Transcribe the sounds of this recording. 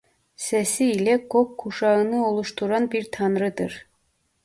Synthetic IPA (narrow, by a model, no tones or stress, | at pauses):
sɛsiːlʲɛkokʰːuʃɑɯnɯo̞lˠuʃt̪ʰuɾanbiɾt̪ʰɑnɾɯd̪ɯɾ̥